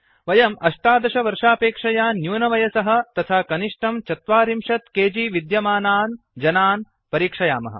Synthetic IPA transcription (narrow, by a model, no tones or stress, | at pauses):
ʋɐjɐmɐʂʈaːd̪ɐʃɐʋɐɾʂaːpeːkʂɐjaːnjuːnɐʋɐjɐsɐɦɐ̆t̪ɐt̪ʰaːkɐniʂʈɐmt͡ʃɐt̪ʋaːɾimʃɐt̪keːd͡ʒiːʋid̪jɐmaːnaːn | d͡ʒɐnaːn | pɐɾiːkʂɐja̰ːmɐ̰ɦɐ̰̆